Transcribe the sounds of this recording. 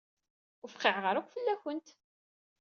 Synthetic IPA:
ʊfqːiʕʁəɾækʷfəlːæçənt̪

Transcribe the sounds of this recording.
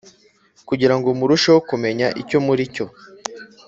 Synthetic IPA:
kuɟiɾaŋɡomuɾuʃewokume̞ɲaʔico̞muɾico̞

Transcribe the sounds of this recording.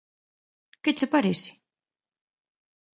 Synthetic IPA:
kɪt͡ʃepaɾesɪ̥

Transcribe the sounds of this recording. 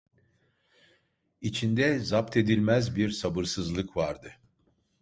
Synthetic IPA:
it͡ʃʰind̪ɛzap̚t̪ʰe̞d̪ilʲmæzbiɾsabɯɾsɯzlˠɯkvaɾd̪ɯ

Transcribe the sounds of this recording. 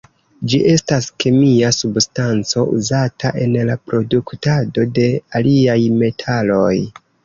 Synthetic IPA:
d͡ʒiʔe̞staske̞miasubstant͡so̞ʔṵzatʰaʔe̞nlapɾo̞duktado̞de̞aliajme̞tʰalo̞j

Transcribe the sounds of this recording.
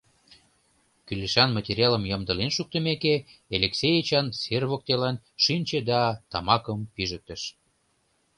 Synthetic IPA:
kyleʃɑnmɑt̪ʲeɾʲjɑlə̆mjəmd̪ə̆lenʃuk̚t̪ə̆mekeeleksʲejət͡ɕɑnserβok̚t̪elɑnʃinʲt͡ɕed̪ɑt̪ɑmɑkəmpiʒək̚t̪ə̆ʃ

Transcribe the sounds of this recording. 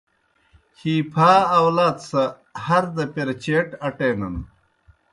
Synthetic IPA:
hiːpʰaːwlaːt̪sɐ | hɐɾd̪ɐpeɾt͡ɕeːʈɐʈeːnɐn

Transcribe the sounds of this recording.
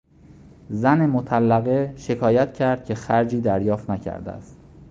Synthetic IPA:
zænemot̪ʰælːæɣe̞ʃe̞kʰɒːjæt̪̚cʰæɾd̪̥̚cʰe̞xæɾd͡ʒiːd̪æɾjɒːft̪næcʰæ̰ɾd̪ḛæ̰st̪

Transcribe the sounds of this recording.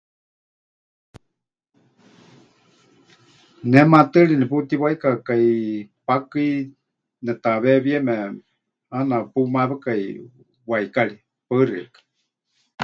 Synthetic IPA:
nɛmat̪ɨɺiniput̪iwaikakaipakɨi | nɛt̪aβɛβiɛmɛ | anapumaβekai | waikaɺi | pəɨrikḁ

